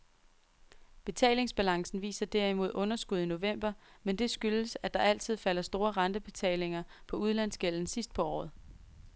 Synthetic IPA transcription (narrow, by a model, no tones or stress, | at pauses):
b̥e̝t͡sʰɛ̰ːle̝ŋsb̥ælɑ̈ŋsn̩ʋḭːsɐd̥æɐ̰imo̝ð̞̰ˠɔ̽nɐsɡ̥uð̞̰ˠino̝ʋem̰b̥ɐmend̥e̝sɡ̥yləsæd̥ɑ̈æl̰t͡sʰið̞̰ˠfælɐsd̥o̝ːɐʁɑ̈nd̥əb̥e̝t͡sʰɛ̰ːle̝ŋɐpʰɒ̽uð̞ˠlæn̰sɡ̥el̰n̩sisd̥̚pʰɒ̽ɒ̰ːð̩ˠ